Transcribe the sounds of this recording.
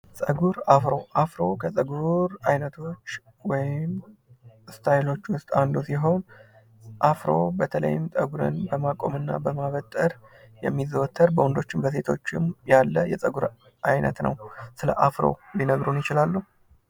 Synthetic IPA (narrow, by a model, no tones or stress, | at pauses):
sʼəɡuɾafɾo̞ʔafɾo̞kʰəsʼəɡuɾajnət̪ʰo̞t͡ʃː | wɔjɪm | st̪ʰajlo̞t͡ʃːwʊst̪ʼand̪osiɦo̞n | ʔafɾo̞bət̪ʰələ̰jːɪmt̪ʼəɡuɾɨ̰nbəmakʼo̞̰mɨnːa̰bəmaβət̪ʼːəɾ | jɛ̰mːizəwɔt̪ʰːəɾbəwɔnd̪o̞t͡ʃːɪmbəs̬e̞t̪ʰo̞̰t͡ʃːɪmjalːəjɛsʼəɡuɾ | ʔajnə̰t̪nə̰wsɨlə̰ʔafɾo̞̰linəɡɾunjɪt͡ʃɪlalːuhu